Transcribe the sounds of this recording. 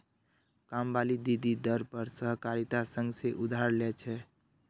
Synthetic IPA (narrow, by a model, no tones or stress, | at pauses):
kambalid̪id̪id̪əɾpəɾsəɦkaɾit̪asə̃ŋɡseʔud̪ʱaɾlɛt͡ʃʰɛ